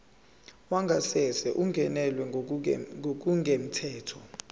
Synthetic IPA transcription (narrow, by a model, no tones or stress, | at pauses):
waŋʱasɛsɛʔuŋɡʱɛnɛlwɛ | ŋʱok̬uŋʱem̩tʰɛːtʰɔ